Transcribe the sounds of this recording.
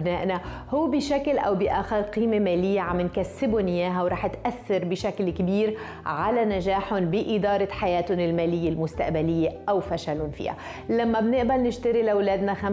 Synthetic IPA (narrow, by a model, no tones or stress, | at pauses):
bnaːʔna | hʊwːbɪʃaklʔa̰wbɪʔaːxɪɾˤqiːmemaːlɪjːaʕamːɪnkasːɪbʊnjaːɦawɾˤɑːħt̪ʔaθːɑɾbɪʃaklkbiːɾ | ʕalanaʒaːħʊnbɪʔɪd̪ɑːɾˤɑħajaːt̪hʊnɪlmaːlɪjːelmʊst̪aʔbalɪjːeʔawfaʃalʊnfḭːha̰ | lamːabnɪʔbalnɪʃt̪aɾilawlaːd̪naxam